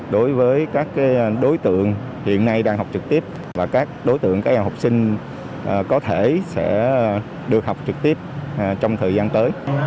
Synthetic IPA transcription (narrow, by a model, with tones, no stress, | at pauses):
ɗo˨˦jvəː˨˦jkaː˦˥kːaː˨˦jɗo˨˦jt̪ɨ̰˧˨əŋ | hḭ˧˨ənːa˧jɗaː˧ŋhɦwk͡p̚t͡ɕɨ˨˩k̚t̪i˦˥əp̚ | vaː˨˩kaː˦˥k̚ɗo˨˦jt̪ɨ̰˧˨əŋkaː˨˥k̚haː˨˩hwk͡p̚sï˧ŋ̟ | ʔːkɔ˨˦t̪ʰe˧˩sɛ̰˧˥ | ɗɨ˨˩ək̚ha˨˩wk͡p̚t͡ɕɨ˨˩k̚t̪i˦˥əp̚ːt͡ɕɔ˧wŋ͡mt̪ʰəː˨˩jzaː˧nt̪əː˨˦j